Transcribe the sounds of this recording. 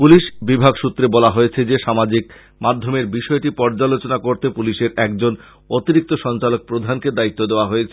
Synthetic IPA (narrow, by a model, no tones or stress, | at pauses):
puliʃbibʱaɡʃut̪ːɾebɔlaɦojet͡ɕʰed͡ʑeʃamad͡ʑik̚ | mad̪ʱːomeɾbiʃɔeʈipɔɾd͡ʑalot͡ɕonakoɾt̪epuliʃeɾɛk̚d͡ʑon | ot̪iɾik̚t̪oʃɔnt͡ɕalok̚pɾod̪ʱanked̪ait̪ːod̪eoaɦojet͡ɕʰe